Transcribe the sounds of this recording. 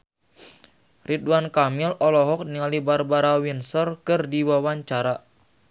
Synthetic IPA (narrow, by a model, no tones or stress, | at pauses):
ridwankamilɔlɔɦɔk̚niŋalibarbaɾawinsɔrkɨrdiwawaɲt͡ʃaɾa